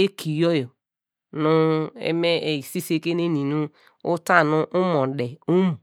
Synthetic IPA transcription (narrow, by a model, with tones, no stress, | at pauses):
e˦kʰi˨jo˦jo˨ | nʊ˦ḛ˦me˦e˨i˨si˦se˦ke˦ne˦nĩ˨nũ˦ | u˦ta˦˨nʊ̃˦ʔu˦mɔ̃˨de˨u˦mu˨